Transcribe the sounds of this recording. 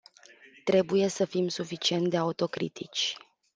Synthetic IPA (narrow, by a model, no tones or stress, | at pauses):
t̪ɾe̞buje̞səfimsufit͡ʃie̞nt̪̚d̪e̞aut̪o̞kɾḭt̪ʰit͡ʃʲ